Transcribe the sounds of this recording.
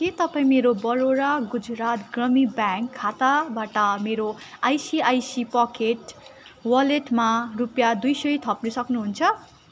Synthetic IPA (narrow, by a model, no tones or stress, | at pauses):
ket̪ʌpaĩmeɾobʌɾoɽaɡud͡zɾat̪ɡrʌmibaŋkʰːat̪abaʈʌmeɾo | ajsiajsipʌkeʈwʌleʈmarupjad̪ujsʌjt̪ʰʌpnusʌknuɦunt͡sʰʌ